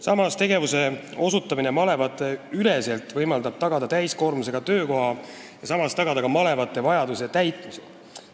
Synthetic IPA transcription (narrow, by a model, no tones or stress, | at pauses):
sɑmɑst̪e̞ɡe̞vuse̞o̞sut̪ːˑɑmine̞mɑle̞vɑt̪ːˑe̞yle̞se̞lt̪ˑvɤjmɑld̪ɑb̥t̪ɑɡ̥ɑd̪ɑt̪æjsko̞ːrɾmuse̞ɡ̥ɑt̪ø̞ːko̞ɦɑ | jɑsɑmɑst̪ɑɡ̥ɑd̪ɑkɑmɑle̞vɑt̪ːˑe̞vɑjɑd̪use̞t̪æjt̪ˑmise